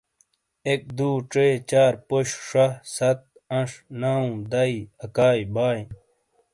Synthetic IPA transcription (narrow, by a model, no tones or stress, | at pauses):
ek̚d̪uːʈ͡ʂeːt͡ɕaːɾpoɕʂɐsɐt̪̚ | ɐ̃ʂnaːũd̪ɐiɐkaːjbaːj